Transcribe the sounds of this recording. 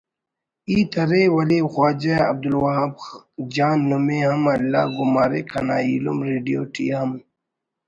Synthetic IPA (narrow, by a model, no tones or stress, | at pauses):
iːt̪ʰɐɾewɐlixwaːd͡ʒeɐ̰b̚d̪ulwɐɦɐbd͡ʒaːnːumeɦɐmɐlːa̰ːɡumaːɾḛkʰɐna̰ːilṵmɾeːɖijoːʈʰḭːɦɐm